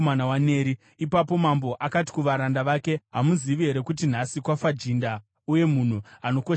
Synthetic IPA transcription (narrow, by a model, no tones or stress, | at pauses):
manawane̞ːɾi | ipapo̞mambo̞ʔakati̥kuʋaɾandaʋaːke̞ɦamuziʋiɦe̞ɾe̞kut̬in̤asikwafad͡ʒinda | uje̞mun̤uano̞ko